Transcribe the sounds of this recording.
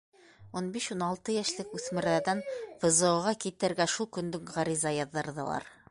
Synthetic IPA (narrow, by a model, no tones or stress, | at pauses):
unbiʃunɑlˠt̪ɤjæʃlɘkʉθmɘ̆ɾæɾd̪ænfɤ̆zɤ̆ɤʁɑkit̪ɘ̆ɾɡæʃulˠkɵ̆nd̪ɘkʁɑɾizɑjɒðːɤ̆ɾðɤ̰̆lˠɑ̰ɾ